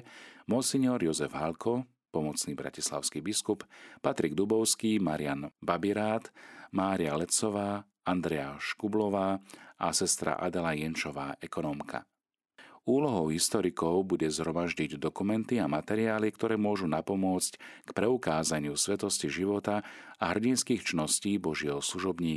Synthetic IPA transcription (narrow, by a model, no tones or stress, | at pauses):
mɔsiɲɪɔɾjɔzɛvɦalkʰɔ | pɔmɔt͡sniːbɾa̰cisla̰ʊskibiskuppat̪ɾiɡd̪ubɔʊskiːmaɾianbabiɾaːt̪maːɾialɛt͡sɔʋaː | and̪ɾɛjaʃkublɔʋaːasɛst̪ɾa̰ʔa̰d̪ɛlajɛnt͡ʃɔʋaːʔɛkɔnɔmkʰa̰ | uːlɔɦɔʊɦist̪ɔɾikɔʊbuɟɛzɦɾɔmaʒɟiɟd̪ɔkumɛnt̪iamat̪ɛɾiaːlikt̪ɔɾɛːmʊɔʒunapɔmʊɔt͡sckpɾɛukaːzaɲɪusʋɛt̪ɔsciʒiʋɔt̪aaɦr̩ɟinskiːxt͡ʃinɔsciːbɔʒɪɛɦɔsluʒɔbɲiː